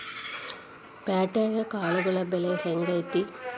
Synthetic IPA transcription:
paːʈːeːɡɐkaːɭuɡɐɭɐbeleheŋɡɐjt̪ːi

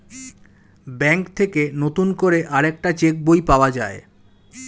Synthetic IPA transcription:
bɛŋkt̪ʰekenot̪unkoɾeʔaɾek̚ʈat͡ɕek̚bojpaoad͡ʑae

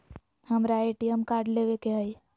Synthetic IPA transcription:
həmɾaeʈijəmkaːɾɖleʋekeɦəj

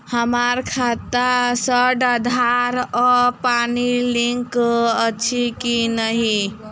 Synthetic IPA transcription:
həmaɾkʰat̪asəɖəd̪ʱaɾɔpaniliŋkət͡ʃʰikinəɦi

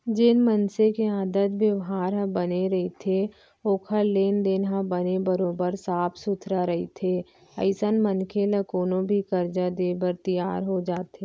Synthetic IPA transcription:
d͡ʒɪnmənsekeãːd̪ət̪bjəʋɦaːɾɦə̃bəneɾɐɦit̪ʰe | oːkʰəleːnd̪eːnɦãbənebəɾoːbəɾsaːpʰsʊt̪ʰɾaɾɐɦit̪ʰeː | ɐ̰ɪsənmənkʰeləkoːnõbʱikəɾd͡ʒad̪eːbəɾt̪ijaːɾɦod͡ʒaːt̪eː

